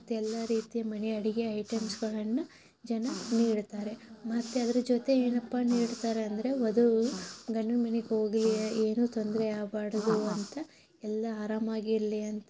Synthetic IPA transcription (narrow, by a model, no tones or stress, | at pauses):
ɐt̪ːeɛlːaɾiːt̪ijɐmɐneɐɽiɡeɐjʈemsɡɐɭɐnːɐ | d͡ʒɐnɐniːɽt̪aːɾe̞mɐt̪ːeɐd̪ɐɾɐd͡ʒoːt̪e̞eːnɐpːaniːɽt̪aːɾeɐnd̪ɐɾe̞od̪uɡɐɳːunmɐneko̞ːɡlieːnuːt̪ond̪ɾeaːbaːɽɐd̪uɐnt̪ɐ | ɛlːɐaːɾaːmaːɡiɾliɐnt̪ɐ